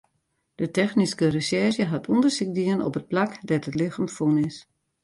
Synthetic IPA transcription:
d̥ətɛxniskərəsɛrʃjəɦatʰundərsik̚diənɔ̰pət̚plakdɛtətlɪxamfunɪs

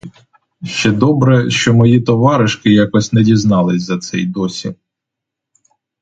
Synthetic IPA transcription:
ʃt͡ʃɛd̪ɔbɾɛʃt͡ʃɔmɔjit̪ɔʋɑɾɪʃkɪjɑkɔsʲnɛdʲiznɑlˠɪsʲzɐt̪sɛjd̪ɔsʲḭ

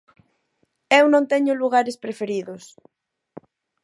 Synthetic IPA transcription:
ewnõŋt̪ɛɲʊluɣaɾɪspɾefeɾiðʊs

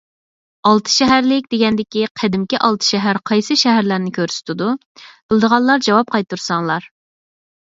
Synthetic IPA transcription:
ɑlˠt̪ʰɨ̥ʃɛɦæɾlɪk̚ʲd̪eɡʲɛnd̪ɪkʲiqʰæd̪ɪmkʲiʔɑlˠt̪ʰɨ̥ʃɛɦæɾqʰɑjsɨʃɛɦæɾlæɾnɪkʲʰøɾsy̥t̪ʰɪd̪u | bɪlˠd̪əʁɑlˠlˠɑɾd͡ʒɑwɑp̚qʰɑjt̪ːuɾsɑŋlˠɑɾ

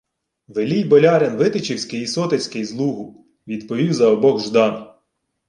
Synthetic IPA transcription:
ʋelʲijbɔlʲɑɾʲenʋɪt̪ɪt͡ʃiwsʲkɪjisɔt̪esʲkɪjzlˠuɦʊ | ʋʲid̪pɔʋʲiwzɐɔbɔɣʒd̪ɑn

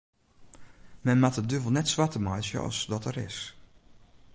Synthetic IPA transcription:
mɛnmatədøvəl̩ˠnɛtsʋatəmajsjə̰ɔ̰sdɔtəɾɪ̰s

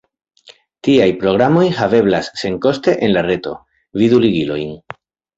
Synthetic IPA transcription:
tiajpɾo̞ɣɾamo̞jhave̞blasːe̞ŋko̞ste̞ʔenlare̞to̞̰ | viðuliɡilo̞̰jn

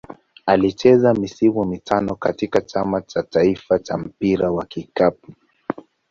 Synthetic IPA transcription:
alit͡ʃɛzamisimumitʰanɔkatikat͡ʃamat͡ʃataifat͡ʃam̩piɾawakikap̚u̥

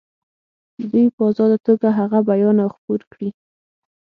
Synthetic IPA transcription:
d̪ujpəɑzɑd̪at̪oɡaɦaɣabajɑnawxpuɾkɽi

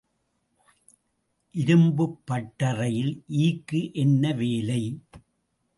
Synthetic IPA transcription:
ʔɪɾɯmbɯpːɐʈːɐrɐjɪlʔiːkːɯʔɛnːɐʋeːlɐɪ

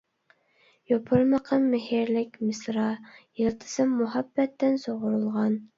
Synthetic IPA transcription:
jopʰʊɾməqʰəmːɪhiɾlɪkʲmɪsɾɑjilˠt̪ʰɨ̥sɨmːuɦɑbːɛt̪ːɪnsoʁʊɾulˠʁɑn

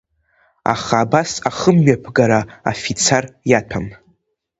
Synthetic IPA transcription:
a̰χaːbasaχəmːɥapʰɡaɾaa̰fit͡sʰarjatʰam

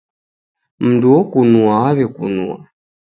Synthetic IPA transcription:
m̩duɔkunuaaβɛkunṵa̰

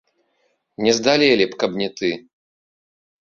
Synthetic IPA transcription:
nʲɛzd̪alʲɛlʲipkɐbnʲɛt̪ɨ

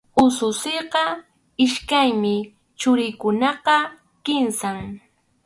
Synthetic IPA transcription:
ʊsʊsɪjqɑ | ɪʃkajmɪ | t͡ʃʊɾɪjkʊnɑqɑ | kɪnsaŋ

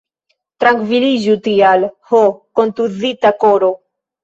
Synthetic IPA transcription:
t̪ɾaŋkviliʒut̪ialhokont̪uðit̪akoɾo

